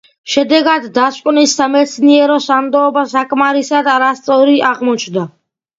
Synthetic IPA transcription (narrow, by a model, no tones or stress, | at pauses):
ʃɛd̪ɛɡad̪ːaskʼnisːamɛt̪sʰniɛɾɔsamd̪ɔːbasakʼmaɾisad̪aɾast̪sʼɔɾiaʁmɔt͡ʃʰnd̪a